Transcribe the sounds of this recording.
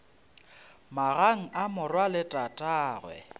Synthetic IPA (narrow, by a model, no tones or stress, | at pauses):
maɣaŋ̩ʔamʊrwalɪtʼatʼaːɣwɛ̰